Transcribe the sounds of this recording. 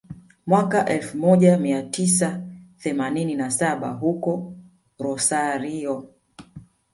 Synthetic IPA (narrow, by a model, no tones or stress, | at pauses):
mwakaʔɛlfumɔʄamiatʰisaθɛmanininasaɓa̰ɦukɔ | ɾɔsaɾiɔ